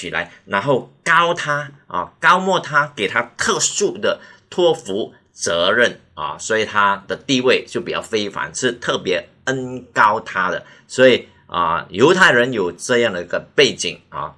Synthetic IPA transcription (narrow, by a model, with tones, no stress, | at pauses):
i˨˩la̰˧˥ɪna˧˥nxo˥˩ʊkɑ˥ʊt̪ʰa˥ɐ̰˨˩kɑ˥ʊmwɔ˥˩t̪ʰa˥ke˨˩ɪt̪ʰa˥t̪ʰɤ˥˧su˥˩d̪ə˩t̪ʰwɔ˥fu˧˥ | t͡sɤ˧˥ɻə˥˩n | ɐ̰˩swɔ˧˥i˨˩t̪ʰa˥d̪̥ə˨t̪i˥˧we˥˩ɪt͡ɕjo˥˩pi˨˩t͡ɕjɑ̰˥˩ʊfe˥ɪfa̰˧˥nʂɻ̩˥˧t̪ʰɤ˥˩pjɛ˧˥ | ə˥nkɑ˥ʊt̪ʰa˥d̪ə̰˨˩ | swɔ˧˥i˨˩ | ə̰˧˩jo˧˥ʊt̪ʰa˥˩ɪɻə˧˥njo˨˩ʊʈ͡ʂɤ˥˧jɑ˥˩ŋd̪ə˩i˧˥ɡə˧pe˥˩ɪt͡ɕḭ˨˩ŋɐ̰˨˩